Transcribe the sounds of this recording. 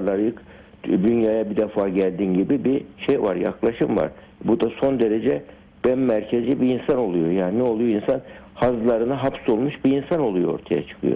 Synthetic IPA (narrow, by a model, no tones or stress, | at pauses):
lˠaɾjɯk | d̪ynjaːjabid̪ɛfaːɟælʲd̪iːnɟibibiʃejva̰ɾja̰klˠaʃɯmva̰ɾ̥ | bud̪aso̞nd̪e̞ɾed͡ʒɛ | b̥ænːæɾcʰezibiinsano̞lˠujo̞jaːnnɛo̞lˠujoinsan | hazlˠaɾɯnaɦapso̞lˠmuʃbiinsano̞lˠujo̞o̞̰ɾt̪ʰaja̰t͡ʃʰɯ̥kʰɯ̰jo̰